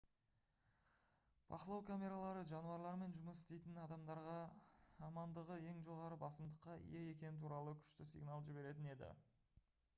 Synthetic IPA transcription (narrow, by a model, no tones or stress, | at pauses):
b̥ɑ̰qəlˠɑwkʰamʲe̞ɾalˠɑɾəʒɑnuɑɾlˠɑɾme̞nʒʊməsɪ̥st̪e̞jt̪ɪnɑd̪ɑmd̪ɑɾʁɑː | mɑnd̪əʁəe̞ŋʒo̞ʁɑɾəbɑsəmd̪əqːɑḭjeje̞kʲe̞nɪt̪ʰuɾɑlˠəkʲʰʏ̥ʃt̪ɪsḭɡnɑlˠʒɪbe̞ɾe̞t̪ɪne̞d̪ɪ̰